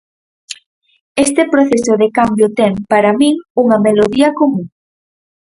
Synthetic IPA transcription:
est̪epɾoθesʊðekambjot̪ɛŋpaɾamĩŋuŋɐmeloðiɐkomũŋ

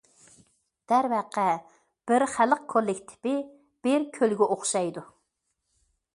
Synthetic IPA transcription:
d̪̥æɾvæqʰɛ | b̥ɪɾχæləq̚kʰolˠːɪkʲt̪ʰɪ̥pɪ | b̥ɪɾkʲʰølɡʲɛʔoχʃɑjd̪u

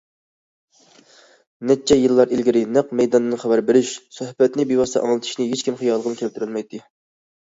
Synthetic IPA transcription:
nɛt͡ʃʰːɛjɨlˠːɑɾʔilɡʲiɾɪnæqmɛjd̪ɑnɨnɨχæbæɾbeɾyʃsɑhpɛt̪nɪbiwɑst̪ʰɑ̰ʔɑ̰ŋlˠɨt̪ʰɨ̥ʃnɪɦet͡ʃkʲimχijɑlˠəʁənkʲʰæpt̪yɾylˠmɛjt̪ʰːɨ

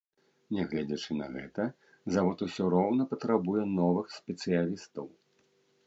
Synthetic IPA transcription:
nʲɛɣlʲɛd͡zʲɛt͡ʂɨnɐ̰ɣɛ̰t̪ɐ | zavɔt̪usʲɔɾɔwnɐpɐt̪ɾabujɛnɔvɨxsʲpʲɛt̪sɨjalʲist̪ɐw

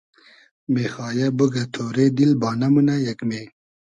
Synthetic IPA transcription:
mexɑːjɐbuɡɐt̪ʰoːɾed̪ilbɑːnɐmunajɐkmeː

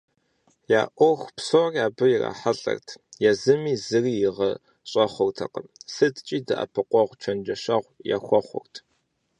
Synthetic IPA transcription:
ja̰ːʔʷɔxʷpsoːrjaːbɨjɪra̰ːħaɬʼɐ̰rtʰjɛzɨmiːzɨriːjɪʁɐ | ɕʼɐχʷʊrtʰɐ̰qəmsɨtʼt͡ʃʼiːdɐʔɐ̰pʰɨqʷʼɔʁʷt͡ʃʷʰɐnd͡ʒɐʃɐʁʷja̰ːxʷɔχʷʊ̰rtʰ

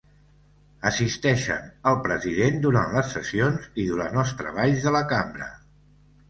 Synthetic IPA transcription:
əsist̪ɛʃə̰nəlˠpɾəziðend̪uɾanləsːəsionziðuɾanɔst̪ɾə̰βaʎzðələkambɾə̰

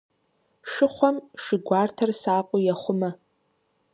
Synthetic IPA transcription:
ʂɨχʷamʂɪɡʷaːrtʰɐrsaːqʷʼʊjaχʷʊmɐ

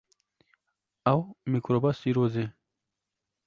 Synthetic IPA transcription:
awmikɾobasiɾoze

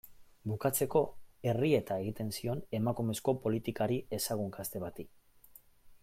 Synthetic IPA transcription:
bukat͡se̞ko̞e̞rie̞t̪ae̞ɣit̪e̞nsio̞ne̞makume̞sko̞po̞lit̪ikaɾie̞saɣ̞uŋkast̪e̞βat̪i

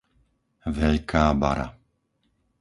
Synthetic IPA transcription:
ʋɛʎkʰaːba̰ɾa̰

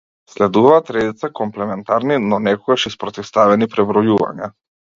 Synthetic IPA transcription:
slɛd̪uvaːt̪ɾɛd̪it̪sakɔmplɛmɛnt̪aɾninɔnɛkɔɡaʃispɾɔt̪ifst̪avɛnipɾɛbɾɔjuva̰ɲa

